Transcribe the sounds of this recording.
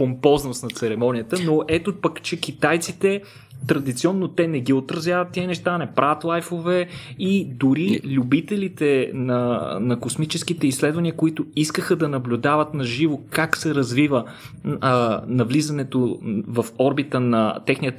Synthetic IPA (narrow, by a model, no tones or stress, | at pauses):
pompɔznost̪nɐt̪sɛɾɛmɔnʲijət̪ənoʔɛt̪opɐkt͡ʃɛkit̪ajt̪sit̪ɛ | t̪ɾɐd̪it̪siɔnːot̪ɛnɛɡʲiot̪ɾɐzʲjavɐt̪ːiənɛʃt̪anɛpɾʔavɐt̪lˠajfovɛid̪ʊɾilʲʊbit̪ɛlit̪ɛnɐnɐkosmit͡ʃɛskit̪ɛisːlɛd̪vɐniəkoit̪ʊiskəxəd̪ɐnɐblʲʊd̪avət̪nɐʒivokaksɛɾɐzvivə | nɐvlizɐnɛt̪ovɐfɔɾbit̪ənɐ̰t̪ɛxniət̪